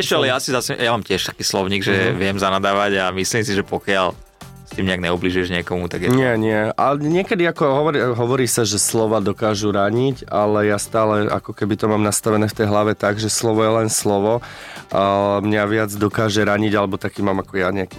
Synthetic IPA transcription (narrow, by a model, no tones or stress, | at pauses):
ɛʃɛalɛjasizasɛjamaːmcɪɛʃt̪ḁkiːslɔʊɲiːɡʒɛʋɪɛmzanad̪aːʋaɟamisliːmsiʒɛpɔkɪal | st̪iːmɲɛaɡɲɛubliʒujɛʒɲɪɛkɔmut̪aɡjɛɲɪɛɲɪɛaɲɪɛkɛd̪iakɔɦɔʋɔɾiɦɔʋɔɾiːsaʒɛslɔʋad̪ɔkaːʒuɾaɲicalɛjast̪aːlɛʔa̰kɔkɛbit̪ɔmaːmnast̪aʋɛnɛːft̪ɛjɦlaʋɛt̪aɡʒɛslɔʋɔjɛlɛnslɔʋɔ | mɲaʋɪad͡zd̪ɔkaːʒɛɾaɲiɟalɛbɔt̪akiːmaːmakɔjaɲɛaki